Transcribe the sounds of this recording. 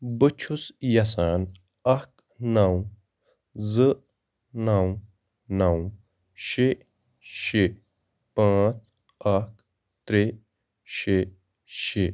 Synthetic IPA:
bət͡ʃʰusjɐs̬aːn | ɐk | naw | zɨ | naw | naw | ʃe | ʃe | pãːt͡s | ɐk | t̪ɾe | ɕe | ʃe

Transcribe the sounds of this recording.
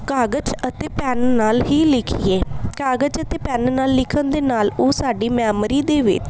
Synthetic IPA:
kaːɡət͡ʃət̪eːpɛːnnaːlɦiːlɪkʰieːkaːɡət͡ʃət̪eːpɛːnnaːlːɪkʰənd̪eːnaːloːsaːɖiːmɛːmɾiːd̪eːʋɪ̰t͡ʃ

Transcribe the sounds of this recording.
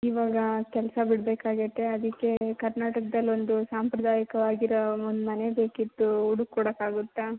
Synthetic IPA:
iʋaːɡɐkɛlsɐbiɽbeːkaːɡiʈ̪ːeɐd̪ikːe̞kɐɾnaːʈɐkɐd̪ɐlːo̞nd̪usaːmpɾɐd̪aːjɐkɐʋaːɡiɾɐond̪umɐne̞be̞ːkit̪ːuuɽukːuːɽɐkaːɡut̪ːa

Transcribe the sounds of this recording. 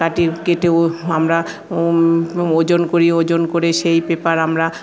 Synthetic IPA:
kaʈikeʈeoamɾa | od͡ʑonkoɾiod͡ʑonkoɾeʃejpepaɾamɾa

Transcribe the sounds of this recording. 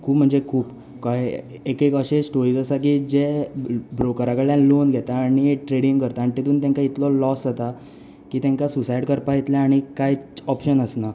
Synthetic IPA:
kʰuːpm̤əɳd͡zekʰuːp | ka | ekekəɕesʈoɾiɡəsak̬iːd͡ʑebɾokəɾakəɭjãlonɡʱɛt̪aːɽ̃iʈɾeɽiŋkəɾt̪aːɳ̃it̪et̪uːnt̪̬ãŋkait̪lɔlɔszat̪a | kiːt̪ãŋkasusaiɽkəɾpait̪laaɽ̃ikajɔpɕənəsna

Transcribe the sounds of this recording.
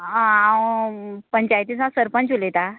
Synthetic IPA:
ãa | pəɲt͡ɕajt̪isãsəɾpənt͡ɕulet̪a

